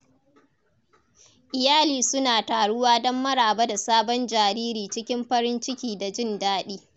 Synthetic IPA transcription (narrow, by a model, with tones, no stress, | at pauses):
ʔɪ˨jaː˦liː˨sʊ˦naː˨taː˨ɽʊ˦waː˦dɔ˦mːɐ˦ɽaː˨ba˦da˨saː˦bɔ˦nd͡ʒaː˨ɾiː˦ɾiː˨t͡ʃɪ˦kʲɪ˦mɸɐ˦ɾɪ˦nt͡ʃɪ˦kʲiː˨da˨d͡ʒɪ˦˨ndaː˦ɗiː˦